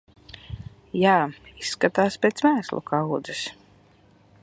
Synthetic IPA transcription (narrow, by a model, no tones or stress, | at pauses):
jaːisːkat̪aːspʲeːt̪smæːslˠṵkʰawd̪zɨs